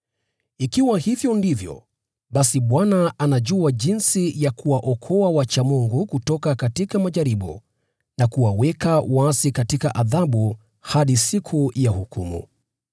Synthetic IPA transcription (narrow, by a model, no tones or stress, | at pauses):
ikiwahivjɔndivjɔ̰ | ɓasiɓwanaanaʄuaʄinsijakuwaʔɔkʰɔawat͡ʃamuŋɡukutɔkakatikamaʄaɾiɓṵ | nakuwawɛkawasikatikaʔaðaɓu | haɗisikʰujahukʰumṵ